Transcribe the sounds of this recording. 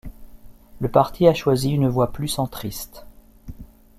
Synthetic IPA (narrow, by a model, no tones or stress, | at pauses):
ləpaʁt̪ʰiaʃwaziynəvwaplysɑ̃t̪χist̪